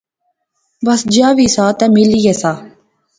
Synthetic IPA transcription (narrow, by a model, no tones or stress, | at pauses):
bɐsd͡ʒaːʋisaːt̪ɛmɪlijɛsaː